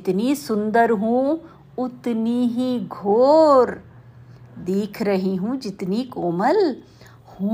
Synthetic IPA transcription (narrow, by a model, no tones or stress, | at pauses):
ɪt̪nisʊ̃nd̪əɾɦũː | ʊt̪niɦiːɡʱoːɾ | d̪eːkʰɾəɦiɦũːd͡ʒɪt̪nikoːməl | hũː